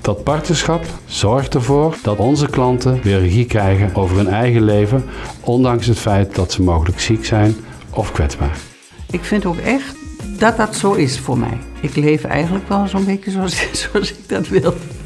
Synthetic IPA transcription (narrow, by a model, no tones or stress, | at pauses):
d̥ɑt̚pɑɹtnəɹsxɑpz̥ɔɹxtəɹvoːɹd̥ɑtɔnzəklɑntəʋɪːrəɣikrɛjɣənʔowvəɹɦɵnɛjɣəlejvənʔɔndɑŋsɦətfɛjt̚d̥ɑtsəmowɣələksiksɛjn | ʔɔfkʋɛdzba̰ːɹ | ʔɪkfɪntoːkɛxtdɑt̚dɑtsoːɪsfʊːɹmɛ̰jɪklejfɛ̰jɣəntləkʋɛlˠzonbejtjəzoɑszoɑsɪɡ̚dɑtʋɪlˠ